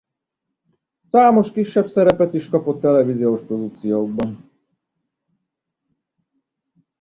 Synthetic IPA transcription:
saːmo̞ʃkiʃːɛbsɛɾɛpɛt̪iʃkɒpo̞t̪ːɛlɛvizijoʃpɾo̞d̪ukt̪sijoɡ̚bɒn

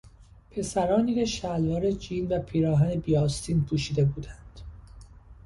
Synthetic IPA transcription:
pʰe̞sæɾɒːniːkeʃælvɒːɾed͡ʒiːnvæpʰiːɾɒːɦænebiːɒːst̪ʰiːnpʰuːʃiːd̪e̞buːd̪ænd̪̥

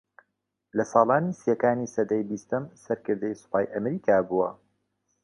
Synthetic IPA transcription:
lɐsɑːlˠaːniːsijɐkaːniːsɐd̪ɐjbiːst̪ɐmsɐɾkɨɾd̪ɐjsu̥paːjʔɐmɾiːkʰaːbuːwɐ̰

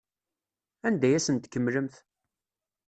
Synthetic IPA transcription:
ænd̪æjæsənt̪kːəmːləmθ

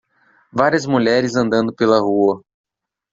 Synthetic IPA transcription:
vaɾiɐzmuʎɛɾɪzɐ̃nd̪ɐ̃nd̪ʊpelɐhuɐ

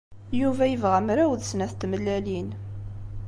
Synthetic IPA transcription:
juvæjəvʁæmɾæwðsnæθt̪ːməlːælin

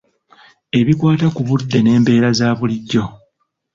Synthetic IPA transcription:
e̞βikwaːtakuβudːe̞ne̞ːmbe̞ːɾazaːβuliɟːo̞

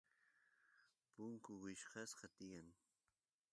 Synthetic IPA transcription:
pʊŋkʊwɪʃqɑsqɑt̪ɪjaŋ

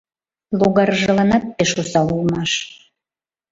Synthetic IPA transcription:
lˠoɡɑrʒɤ̆lɑnɑt̪ːeʃosɑulˠmɑʃ

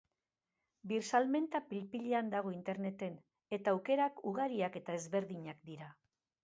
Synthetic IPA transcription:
biɾsalme̞nt̪apilpiʎeand̪aɣ̞o̞int̪e̞ɾne̞t̪e̞n | e̞t̪aːwke̞ɾakuɣ̞aɾiake̞t̪aezβe̞ɾðiɲakd̪iɾa

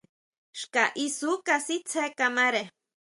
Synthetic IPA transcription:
ʃkaʔisukasit͡sʰekamaɾe

